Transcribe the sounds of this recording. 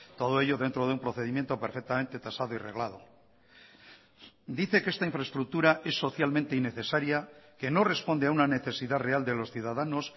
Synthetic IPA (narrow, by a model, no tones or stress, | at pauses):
t̪o̞ð̞oe̞ʎo̞ðe̞nt̪ɾo̞ð̞eumpɾo̞θe̞ðimjent̪o̞peɾfe̞k̚t̪ament̪e̞t̪asað̞oire̞ɣlaðo̞ | d̪iθe̞kest̪aiɱfɾae̞st̪ɾuk̚t̪uɾaʔe̞sːo̞θjalmẽnt̪e̞ine̞θe̞saɾjake̞no̞re̞spo̞nd̪eaunane̞θe̞siðare̞ald̪e̞lo̞sθjuðaðanos